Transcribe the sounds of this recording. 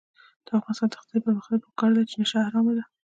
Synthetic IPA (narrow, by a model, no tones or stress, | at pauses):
d̪̥əafɣɑnɪst̪ɑnd̪əxt̪apəmaxnapəkɑɾd̪at͡ʃenaʃaaɾɑmad̪a